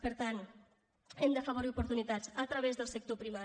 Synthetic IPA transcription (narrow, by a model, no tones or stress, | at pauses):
pəɾt̪an | ɛmd̪əfəβuɾiupuɾt̪unit̪ad͡zət̪ɾəβezðəlˠsək̚t̪opɾima